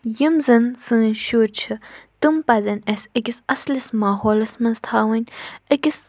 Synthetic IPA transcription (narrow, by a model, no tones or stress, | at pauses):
jimzɐnsɨ̃ːnʃuːɾt͡ʃʰɨt̪ɨmpɐzɐnɐsʲɐkisɐslɐsmaːɦoːlɐsmɐnzt̪ʰaːwɐnʲɐkʲis